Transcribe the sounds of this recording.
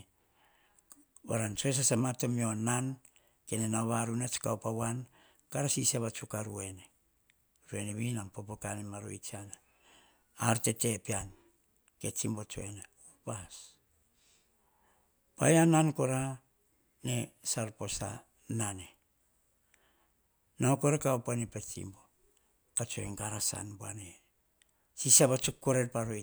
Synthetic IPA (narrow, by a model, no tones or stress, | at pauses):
baɾant͡ʃoes̬asamatomio̞nan | kenenaoβaɾunat͡ʃi̥kawpawan | kaɾasisaβat͡ʃukaɾue̞ne | ɾue̞neβinampopokanemaɾo̰it͡ʃiana | aɾte̞te̞pian | ke̞t͡ʃimbot͡ʃo̰eneupas | pa̰janankoɾa | nesaɾpo̞sa̰ | nane | naokoɾakaopanepet͡ʃḭmbo̞ | kat͡ʃoeŋkaɾasa̰nboane | sisabat͡ʃokːoɾeɾpaɾo